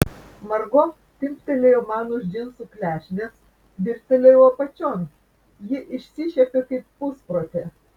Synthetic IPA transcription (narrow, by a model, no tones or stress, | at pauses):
mɐɾɡɔ | t̪ʲɪmʲpʲt̪ʲɛlʲeoːmɑːnʊʒʲd͡ʒʲɪnsuklʲæːʃʲnʲes | ʋʲɪɾʲt̪ʲɛlʲejoːpɐt͡ʃʲoːn | jɪʔɪʃʲsʲɪʃʲɛpʲekɐɪppʊspɾoːt̪ʲe